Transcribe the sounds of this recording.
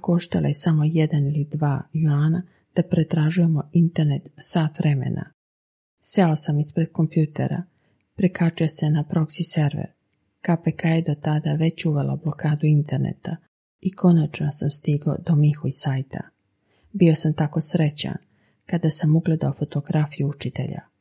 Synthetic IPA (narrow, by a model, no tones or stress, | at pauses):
koʃt̪alˠa̰jesamo̞jed̪anilid̪ʋaːjaːna | d̪̥apɾet̪ɾaʒuje̞mo̞int̪e̞ɾne̞t̪saːt̪ʋɾe̞mḛnʔa̰ | se̞o̞samispɾe̞d̪̚ko̞mpjuːt̪e̞̰ɾa̰ | pɾikat͡ʃujese̞napɾo̞ksise̞ɾʋḛɾ | kapekajed̪o̞t̪ad̪aʋe̞t͡ɕuʋe̞la̰ublˠo̞kaːd̪uint̪e̞ɾnḛt̪a | iko̞nat͡ʃnosamst̪iɡo̞̰d̪o̞mixuisaːjt̪ʰa̰ | bio̞samt̪ako̞sɾe̞t͡ɕa̰n | kad̪asamuɡle̞d̪aofo̞t̪o̞ɡɾafijuut͡ʃit̪e̞̰ʎa̰